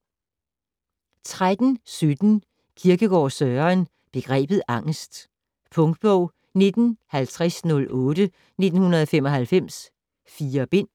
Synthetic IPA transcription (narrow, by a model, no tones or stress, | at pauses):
t͡sʰʁad̥n̩sød̥n̩ | kʰiɐɡ̥əɡ̥ɒ̰ːsœɐːn | b̥e̝ɡ̥ʁɛ̰ːb̥ð̩ˠʔɑ̈ŋ̰sd̥ | pʰɔ̽ŋd̥̚b̥ɔʊ̰ | ne̝d̥n̩hælt͡sʰʁasnɔ̽lɔ̽ːd̥ə | ne̝d̥n̩hunɐðˠɒfemɒ̽hælfem̰s | fiːɐb̥e̝n̰